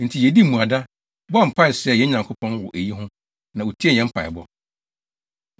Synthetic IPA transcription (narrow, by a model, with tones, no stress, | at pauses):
n̩˨tʰi˨jɛ˨di˦˨mũ˨a˨da˦ | bɔ˦a˦m̩˨pʰa˦˨ɪ˨sɪ˦ɛ˦˨jɛ˦ɲã˨ŋkʰʊ˦pʰɔ̃˦nwɔ˨ʔe˨ji˦ɦʊ̃˦ | nã˨o˨tʰi˦ɛ˦˨ɲɛ̃˨m̩˦pʰa̰˨ɪ̰˨bɔ˦